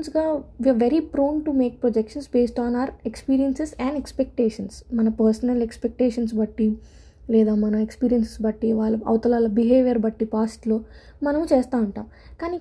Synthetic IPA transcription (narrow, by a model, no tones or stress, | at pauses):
nsɡaːʋiaːʋeɾipɾoːnʈumeːk̚pɾod͡ʒekʂɐnsbeːsʈaːnaʋɐɾekspiːɾijɐnsesɛ̃ɳɖekspek̚ʈeːʂɐnsmɐnɐpɐɾsɐnɐlekspek̚ʈeːʂɐns̬bɐʈːi | lɛːd̪aːmɐnɐekspiːɾijɐnsesbɐʈːiʋaːɭːɐɐ̰wt̪ɐlaːlɐbiɦeːʋjɐɾbɐʈːipaːsʈlo̞ː | mɐnɐmut͡ʃeːst̪aːuɳʈa̰ːm | kaːniː